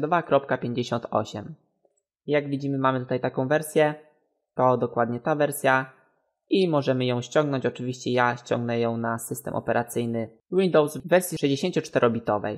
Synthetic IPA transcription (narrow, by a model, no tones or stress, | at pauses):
d̪ɔvakɾɔp̚kapʲjeɲd͡ʑeɕɔnt̪ʰɔ̰ɕɛm | jaɡvʲid͡ʑimɘmamɘt̪ut̪ajt̪akɔ̃w̃vɛɾsʲjɛ | t̪ɔd̪ɔkwad̪ɲɛt̪avɛɾsʲja | imɔʐɛmɘjɔ̃w̃ɕt͡ɕɔ̃ŋɡnɔ̃ɲt͡ɕɔt͡ʂɘvʲiɕt͡ɕɛjaɕt͡ɕɔ̰ŋɡnɛjɔ̃w̃nasɘst̪ɛ̰mʔɔ̰pɛɾʔat̪sɘjnɘ | wind̪ɔwsvɛɾsʲjiʂɛʑd͡ʑeɕeɲt͡ɕɔt͡ʂt̪ɛɾʔɔbʲit̪ɔvɛ̰j